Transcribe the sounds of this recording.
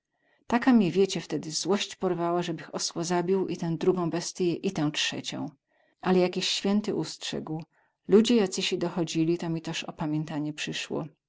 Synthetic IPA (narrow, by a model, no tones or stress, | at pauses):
t̪akamʲɲɛvʲjet͡ɕɛft̪ɛd̪ɘzwɔɕt͡ɕpɔɾvawaʐɛbɘxɔswɔzabʲiwʔit̪ɛ̃w̃d̪ɾuɡɔ̃w̃bɛst̪ɘjɛʔit̪ɛw̃t͡ʂʂɛ̰t͡ɕɔ̰̃w̃ | ʔalɛjakʲiɕːfʲjɛnt̪ɘʔustʂɛ̰ɡw | lud͡ʑɛjat̪sɘɕid̪ɔxɔd͡ʑilʲit̪ɔmʲit̪ɛʂɔ̰pamʲjɛnt̪aɲɛpʂɘʂwɔ̰